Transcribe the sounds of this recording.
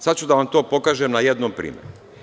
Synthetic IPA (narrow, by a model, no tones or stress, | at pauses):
sat͡ɕt͡ʃud̪aʋamt̪o̞ːpo̞kaːʒemnajed̪nompɾḭːmjeɾu